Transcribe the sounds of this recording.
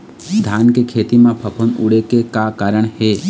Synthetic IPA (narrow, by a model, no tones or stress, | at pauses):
d̪ʱaːnkekʰeːt̪imãpʰəpʰunuɽekekakaːɾəɳ̃heː